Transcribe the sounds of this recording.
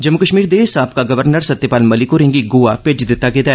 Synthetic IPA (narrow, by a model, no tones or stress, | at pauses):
d͡ʒəmʊkəʃmiːɾd̪eːsaːp̚kaɡəʋəɾnəɾsət̪ːepaːlməlɪkoɾɪ̃ŋɡiɡoːaped͡ʒd̪ɪt̪ːaːket̪ɛ